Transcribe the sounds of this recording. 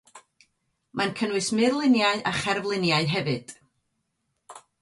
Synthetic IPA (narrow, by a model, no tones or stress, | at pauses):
mʔankʰənwɨsmɨrlˠɪnjaɨʔaχɛrvlˠɪnjaɨɦɛvɨd̥